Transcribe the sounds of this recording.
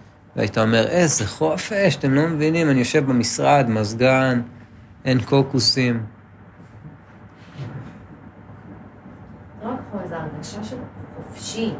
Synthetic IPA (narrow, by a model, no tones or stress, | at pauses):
vea̰it̪ao̞me̞ʁezeχo̞fe̞ʃat̪emlo̞mevinimanijo̞ʃe̞vbamisʁad̪mazɡan | ʔenkokusim | ʁakχozaʁɡaʃaʃelχofʃi